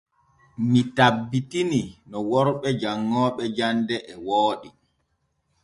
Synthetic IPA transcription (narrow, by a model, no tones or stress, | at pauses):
mitabːitininɔwɔɾɓɛd͡ʒaŋːɔːɓɛd͡ʒandɛʔɛwoːɗi